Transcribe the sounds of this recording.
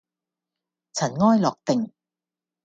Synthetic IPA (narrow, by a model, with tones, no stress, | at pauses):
t͡sʰɐ˨˩nŋɔː˥jlɔː˨˩k̚t̪ɪ˨ŋ